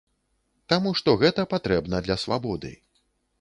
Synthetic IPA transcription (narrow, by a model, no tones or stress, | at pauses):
t̪amuʂt̪ɔɣɛt̪ɐpat̪ɾɛbnɐd̪lʲɐsva̰bɔd̪ɨ̰